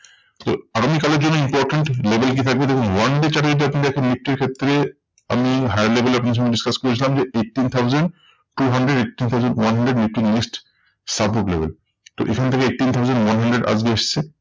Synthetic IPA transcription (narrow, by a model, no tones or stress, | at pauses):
t̪oaɡamikaleɾd͡ʑonːoimpɔɾʈeɳʈlebʱelk̬it̪ʰak̚bed̪ekʰunwanɖet͡ɕaʈad͡ʑit̪̬iapnid̪ɛkʰennik̚ʈiɾkʰet̪ːɾe | a̰miɦajaɾlebeleapnd̪ɾʃɔ̃ŋɡeɖiskaskoɾet͡ɕʰilamd͡ʑeeʈʈːint̪ʰawzeɳɖ | ʈuɦaɳɖɾeɖekʈint̪ʰawzəɳɖwanɦaɳɖɾeɖmik̚ʈimesʈ | sabpoʈlḛbḛl | t̪o̰ʔḛkʰanet̪ʰekeekʈːint̪ʰawzanɖwanɦaɳɖɾeɖa̰d͡ʑɡeeʃt͡ɕʰe